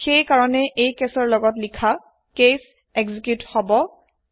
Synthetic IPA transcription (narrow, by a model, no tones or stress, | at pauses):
xejkaɹɔnɛʔejkesɔɹlɔɡɔtlikʰa | kes | eɡzikjuthɔbɔ